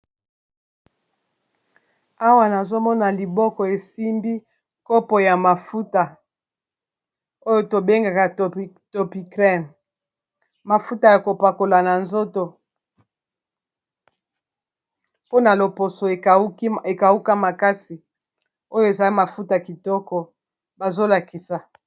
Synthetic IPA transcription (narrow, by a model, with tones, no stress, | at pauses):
a˦wa˦˨na˨zo˦mɔ˦na˨li˨bɔ˦kɔ˨e˨si˦mbi˦ | ko˦pɔ˨ja˨ma˨fu˦ta˨ | o˦jo˦to˨be˦ŋɡa˨ka˨t | to˨pi˨kʁɛ˦m | ma˨fu˦ta˨ja˨ko˨pa˨ko˨la˨na˨nzo˦to˨ | po˦na˨lo˨po˨so˨e˨˦e˨ka˨u˦ka˦ma˨ka˦si˨ | o˦jo˦e˨za˨˦i˦ma˨fu˦ta˨ki˨tɔ˦kɔ˨ | ba˨zo˦la˨ki˨sa˨